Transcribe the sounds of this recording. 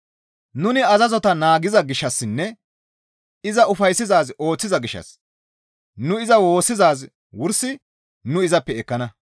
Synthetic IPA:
nʊnɪɐzɐzɔt̪ɐnaːɡɪzɐɡɪʃːɐsːɪnːɛ | ɪzɐʊfɐjsːɪzaːzo̞ːt͡sːɪzɐɡɪʃːɐ̰s | nʊɪzɐwo̞ːsːɪzaːz | wʊɾsɪ | nʊɪzɐpːɛɛkːɐnɐ

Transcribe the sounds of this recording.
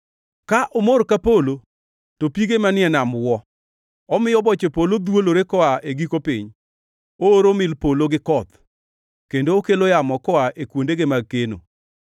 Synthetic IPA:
kaʔomoɾkapolo | topiɡemanɪɛnamwɔ | ɔmɪjɔbɔt͡ʃepolod̪woloɾekɔaʔeɡikopɪɲ | ooɾomɪlpoloɡɪkɔt̪ | kendoːkelojamɔkɔaʔekwondeɡemaɡ̚keno̰

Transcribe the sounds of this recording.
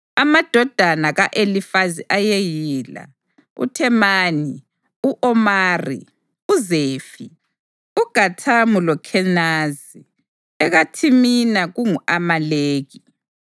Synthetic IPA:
amad̥ʱɔd̥ʱanaɣaʔelifaziʔajejiːla̰ | ṵtʰɛmaːni | uʔɔmaːrḭ | uzeːfi | uɡ̥ʱatʰamulɔkʰɛnaz | i | ɛɣatʰiminaɣuŋuʔamaleːɣi

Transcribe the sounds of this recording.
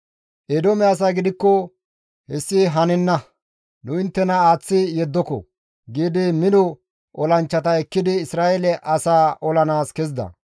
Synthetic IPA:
ʔed̪omɛɐs̬aːɡɪd̪ɪkːɔ | hɛsːɪɦɐnɛnːɐ | nʊɪnt̪ːɛnɐaːt͡sːɪjɛd̪ːɔkɔ̰ | ɡiːd̪ɪmɪd̪ɔ | ʔɔlɐnt͡ʃːɐt̪ɐɛkːɪd̪ɪːsɾaːɛlɛʔɐsaːʔɔlɐnaːskɛz̬d̪ɐ̰

